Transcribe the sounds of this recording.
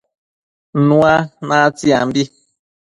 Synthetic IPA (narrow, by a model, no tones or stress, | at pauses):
nũanãt͡siambi